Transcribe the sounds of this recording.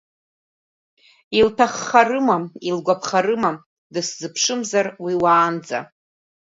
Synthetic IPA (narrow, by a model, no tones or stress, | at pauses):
iltʰaχːarɨmailɡʷapʰχarɨma | dɨszɨpʰʂɨmzarwiwaːnd͡za̰